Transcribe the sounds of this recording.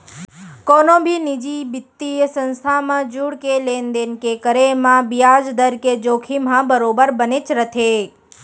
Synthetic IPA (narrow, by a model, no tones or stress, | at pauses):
konõbʱinid͡ʒibɪt̪ːijəsə̃nst̪ʰamãd͡ʒuɽkeleːnd̪enkekəɾemãbijaːd͡ʒd̪əɾked͡ʒoːkʰimãbəɾoːbəɾbənet͡ʃɾət̪ʰe